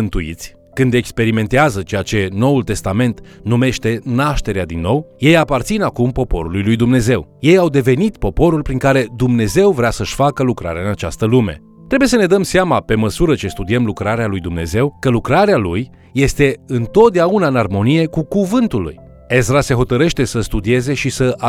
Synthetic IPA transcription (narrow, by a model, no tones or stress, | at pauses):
ɨnt̪uḭt̪sʲ | kɨnd̪ekspe̞ɾime̞nt̪eazət͡ʃe̞jat͡ʃe̞no̞ult̪e̞st̪ame̞nt̪nume̞ʃt̪e̞naʃt̪e̞ɾead̪inːo̞wjejapart̪sinakumpo̞po̞̰ɾulujlujd̪umneze̞wje̞jawd̪e̞ve̞nit̪po̞po̞ɾulpɾiŋkaɾe̞d̪umne̞ze̞wvɾeasəʃʲfakəlukɾa̰ɾeaɨnat͡ʃa̰st̪əlume̞̰ | t̪ɾe̞buje̞səne̞d̪əmseamape̞məsuɾət͡ʃe̞st̪ud̪iemlukɾaɾealujd̪umne̞̰ze̞wkəlukɾaɾealujː | e̞st̪e̞ɨnt̪o̞t̪̚d̪eaunaɨnarmo̞nije̞kukuvɨnt̪ulṵj | e̞zɾase̞ɦo̞t̪əɾe̞ʃt̪e̞səst̪ud̪ie̞ze̞ʃisəʔa